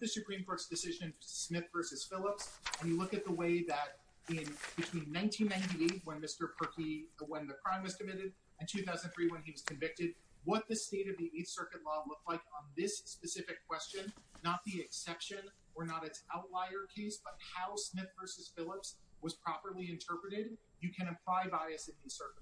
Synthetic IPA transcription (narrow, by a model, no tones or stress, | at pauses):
ðɨsɨpʰɹ̥ĩmkʰɔɹtsd̥ɨsɪʒɨ̃nsmɪθvɜ˞sɨz̥fɪlˠəpsɨ̃njɨlʊkɨt̪̚ðəweɪðɨɾ | ɪ̃nb̥ɨtʰw̥ĩnːãɪ̃ntʰĩnːãɪ̃ntieɪt̚wə̃nmɪstə˞pʰɜ˞kiwə̃nðɨkʰɹ̥ãɪ̃mwʌz̥kʰɨmɪɾɨɾ | ɨ̃ntʰʉθaʊznnθɹiwə̃niwʌz̥kʰɨ̃ɱvɪk̚tɨd̚ | wʌt̪̚ðɨsteɪɾʌvðiʔeɪθsɜ˞kɨtˡlɔlʊk̚tˡlaɪkn̩ðɪsːpɨsɪfɨkʰw̥ɛst͡ʃɨ̃nːət̪̚ðiɨksɛpʃɨ̃n | ə˞nəɾɨtsaʊtˡlaɪə˞kʰeɪsb̥ʌt̚haʊsmɪθvɜ˞sɨz̥fɪlˠəpswʌz̥pʰɹ̥ɑpə˞lˠiɨ̃ntʰɜ˞pɹɨɾɪd̚ | jɨkʰɨ̃ñɨ̃mpʰl̥aɪvaɪɨsɨ̃nisɜ˞kət